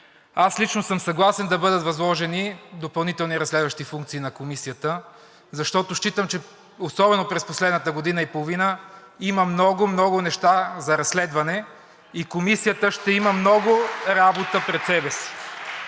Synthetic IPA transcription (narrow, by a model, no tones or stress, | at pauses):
aslit͡ʃnosəmsɐɡlˠasɛnd̪ɐbɤd̪ət̪vɐzlˠɔʒɛnid̪opɐlˠnit̪ɛlˠniɾɐslɛd̪vəʃt̪ifuŋkt̪siːnɐkomisijət̪ə | zɐʃt̪ɔt̪ʊʃt͡ʃit̪əmt͡ʃɛ | osɔbɛnopɾɛsposlɛd̪nət̪əɡod̪inəipolˠovinə | iməmnɔɡʊmnɔɡʊnɛʃt̪azɐɾɐsːlɛd̪vɐnɛ | ikomisijət̪əʃt̪ɛiməmnɔɡʊɾabot̪əpɾɛt̪sɛbɛsi̥